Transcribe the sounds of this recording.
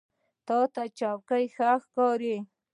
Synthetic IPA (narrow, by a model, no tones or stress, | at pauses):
t̪ɑt̪at͡ʃɑwkajxaxkɑɾi